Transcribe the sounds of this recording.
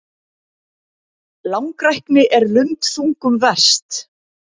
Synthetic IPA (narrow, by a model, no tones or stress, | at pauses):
lawŋkɾajhknɪʔɛɾlʏmt̪θuŋkʏmvɛr̥st̪